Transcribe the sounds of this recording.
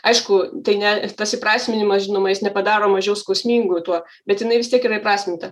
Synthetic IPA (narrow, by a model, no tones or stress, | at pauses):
ɐɪʃkʊt̪ɐɪnʲɛt̪ɐsɪpɾɑːsʲmʲɪnʲɪmɐsʒʲɪnoːmɐjɪsnʲɛpɐd̪ɑːɾoːmɐʒʲɛʊskɐʊsʲmʲiːŋɡʊt̪uɔ | bʲɛt̪jɪnɐɪʋʲɪst̪ʲiɛkɪɾɐɪpɾɑːsʲmʲɪnt̪ɐ